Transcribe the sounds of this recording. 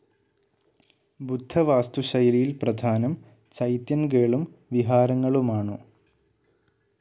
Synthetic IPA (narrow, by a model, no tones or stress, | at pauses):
bud̪ʱːɐʋaːst̪uɕɐjɐlijilprɐd̪ʱaːnɐm | t͡ɕɐjt̪jɐnk̬eːɭum | ʋiɦaːɾɐŋːɐɭumaːɳɨ